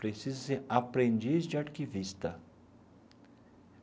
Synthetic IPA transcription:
pɾesizɐseapɾẽnd͡ʒizd͡ʒɪaɾkivist̪ɐ

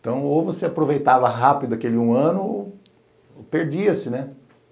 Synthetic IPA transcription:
t̪ɐ̃w̃ovoseapɾovejt̪avɐɦapid̪ʊakelɪũɐ̃nʊo | peɾd͡ʒiɐsɪnɛ

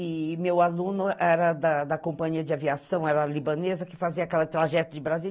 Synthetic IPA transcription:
ɪmewalũnʊʔɛɾɐd̪ɐd̪ɐkõpɐ̃ɲiɐd͡ʒɪaviasɐ̃w̃ɛɾɐlibɐ̃nezɐkɪ̥faziɐakɛlɐt̪ɾaʒɛt̪ʊd͡ʒɪbɾazi

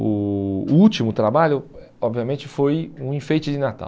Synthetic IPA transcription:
ʊut͡ʃimʊt̪ɾabaʎʊ | ɔbviɐmẽnt͡ʃɪfojũĩfejt͡ʃɪd͡ʒɪnat̪a̰w

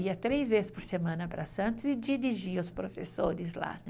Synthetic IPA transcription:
iɐt̪ɾezvezɪspʊɾsemɐ̃nɐpɾɐsɐ̃nt̪ʊzɪd͡ʒiɾiʒiʊspɾofḛsoɾɪzla̰

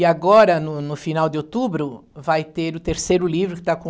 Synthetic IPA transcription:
ɪaɡɔɾɐnʊnʊfinawd̪ɪowt̪ubɾʊvajt̪eɾʊt̪eɾsejɾʊlivɾʊkɪ̥t̪akõ

